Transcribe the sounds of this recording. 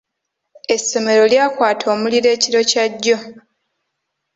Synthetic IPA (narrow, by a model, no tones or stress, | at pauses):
e̞sːo̞me̞ɾo̞ljaːkwaːtʰo̞ːmuliɾe̞ːciɾo̞caɟːo̞